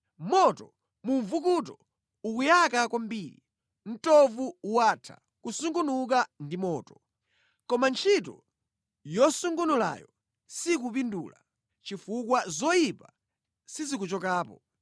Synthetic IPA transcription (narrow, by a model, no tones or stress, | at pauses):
mɔtɔ | muɱvukutɔ | ukujakakwambiːɾḭ | n̩tɔvuuwatʰa̰ | kusuŋɡunuk̬andimɔːtɔ̥ | kɔmant͡ʃʰitɔ̰ | jɔsuŋɡunula̰jɔ̰ | sik̬up̬indṵːla̰ | t͡ʃifukwazɔjipa | sizik̬ut͡ʃɔkaːpɔ